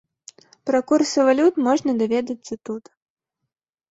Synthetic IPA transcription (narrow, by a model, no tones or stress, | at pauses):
pɾɐkursʲɐvalʲut̪mɔʐnɐd̪avʲɛd̪ɐt̪sɐt̪ut̪